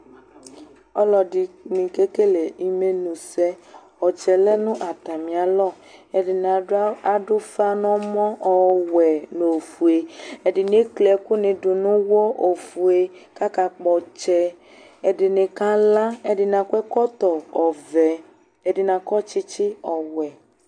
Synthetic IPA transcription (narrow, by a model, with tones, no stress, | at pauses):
ɔ˦lɔ˨ɖi˨mĩ˨ke˦ke˦le˨i˨me˦nũ˨sɛ˦ | ɔ˨t͡ʃɛ˨lɛ˦nũ˦ʔa˨t̪a˨mĩ˨a˨lɔ˦˨ | e˨di˨n˨a˨ɖʊ˦fa˦nɔ̃˦mɔ̃˦ʔɔ˨wɛ˨no˨fu˨e˨e˨ɖi˨n˦e˦klɛ˨ku˦nẽ˨ɖu˨nũ˦wɔ˦ʔo˨fu˨e˨ka˦ka˨k͡pɔ˨t͡ʃɛ˦ | e˨ɖɪ˨nẽ˨kã˦la˦e˦ɖi˨nã˨kʷɛ˦kɔ˦t̪ɔ˨ɔ˨vɛ˨ | e˦ɖi˨nã˨kɔ˦t͡ʃi˦t͡ʃi˦ɔ˨wɛ˨